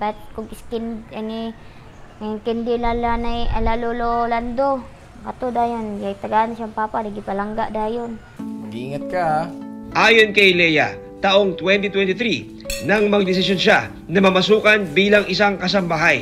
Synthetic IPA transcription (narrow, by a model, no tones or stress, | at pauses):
pat̪̚kʊɡɪskɪnd̪anɪ | ŋkɪnd̪ɪlalanajalalololand̪o | kat̪od̪ajonɡat̪aɡanaʃaŋpaːpanɐɡɪpɐlaŋɡaʔd̪aːjon | mɐɡiiŋat̪̚kaaʔaːjonkɐjlɛja | t̪aʔoŋt̪wɛnt̪it̪wɛnt̪ɪt̪ɾi | nɐŋmɐɡ̚d̪ɪsɪsjonʃa | nɐmɐmɐsuːkanbiːlɐŋʔɪsaŋkɐs̬ɐmbaɦaj